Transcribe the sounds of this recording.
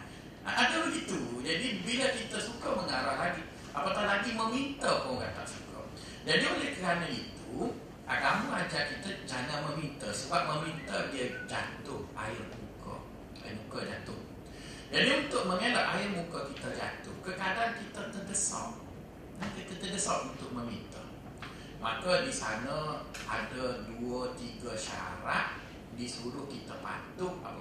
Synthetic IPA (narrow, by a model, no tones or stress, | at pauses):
aʔadəbəɡit̪ud͡ʒadibiləkit̪əsukəməŋaɾahlaɡi | apat̪ahlaɡiməmint̪əkoɡa̰t̪a̰ʔsukə̰ | dadiəolɛhkəɾanait̪u | ʔa̰ɡamuad͡ʒaʔkit̪əd͡ʒaŋanməmint̪əsəbap̚məmint̪ədiəd͡ʒa̰t̪ʊha̰ɪrmṵkə̰ | a̰jɪmukəd͡ʒat̪ʊh | janiunt̪ʊʔ̚məŋelɔʔaɪrmukəkit̪əd͡ʒa̰t̪ʊhkəkadaankit̪ət̪əndəsɔ̰ʔ | nahkit̪ət̪ədəsɔʔunt̪ʊkʔ̚məmint̪ə̰ | makədisanəa̰dəduət̪iɡəʃa̰ɾaʔ̚ | disuɾʊhkit̪əpa̰t̪ʊha̰p